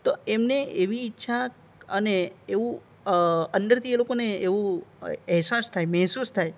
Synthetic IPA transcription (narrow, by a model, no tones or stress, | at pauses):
t̪oemneeʋiːtːʃʰa | əneeʋũ | əndəɾt̪ʰielokoneeʋũɛɦsast̪ʰajmɛɦsust̪ʰaj